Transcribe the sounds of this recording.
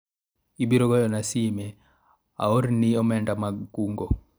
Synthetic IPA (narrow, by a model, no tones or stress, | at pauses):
ibiɾoɡɔjɔnasime | a̰oɾniɔmɛndamaɡːuŋɡo